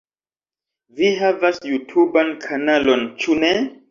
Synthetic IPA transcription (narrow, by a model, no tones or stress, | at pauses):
viɦavasjutʰubankʰanalont͡ʃune